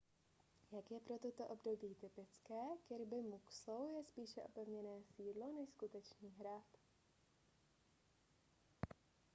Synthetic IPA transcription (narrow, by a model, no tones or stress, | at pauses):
jakjɛpɾo̞t̪ot̪oʔo̞bdo̞biːt̪ɪpɪt͡skɛːkɪɾbɪmuksowjɛspiːʃɛʔo̞̰pɛvɲɛnɛːsiːdlo̞nɛʃskut̪ɛt͡ʃniːɦɾat̪